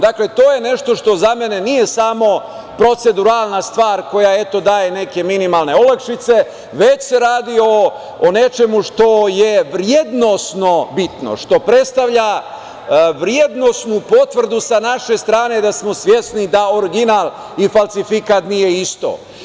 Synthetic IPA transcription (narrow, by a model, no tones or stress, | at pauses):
d̪akle̞t̪oːje̞ne̞ʃt̪o̞ʃt̪o̞zamenenije̞samo̞ | pɾo̞t̪se̞d̪uɾalˠnast̪ʋaːɾko̞jae̞t̪o̞d̪aːje̞ne̞ke̞minimalne̞olakʃit̪se̞ | ʋet͡ɕse̞ɾaːd̪ioː | ne̞t͡ʃe̞muʂt̪o̞jeʋɾjed̪no̞sno̞bit̪no̰ʃt̪o̞pɾe̞t̪st̪aʋʎa | ʋɾjed̪no̞snupo̞t̪ʋr̩d̪usanaʃe̞st̪ɾaːne̞d̪asmo̞sʋje̞snid̪aoɾɡinaːlˠ | ifalˠsifikat̪nije̞ist̪o̰ː